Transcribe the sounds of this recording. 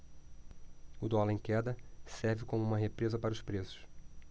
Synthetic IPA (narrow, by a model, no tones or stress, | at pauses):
ʊd̪ɔlẽj̃kɛd̪ɐsɛɾvɪkõmʊũmɐɦepɾezɐpaɾɐʊspɾesʊ̥s